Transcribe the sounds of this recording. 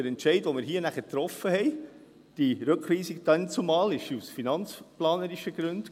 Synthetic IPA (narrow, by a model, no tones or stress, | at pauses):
əɾɛntt͡ʃɛɪdʋomɪɾɦiːənæχətɾɔfəhɛɪ | d̥iɾɵkʰχʋiːsikd̥ɛnt͡sumɑːlɪʃusfinɑnt͡splɑːnəɾiʃəɡ̥ɾʉnd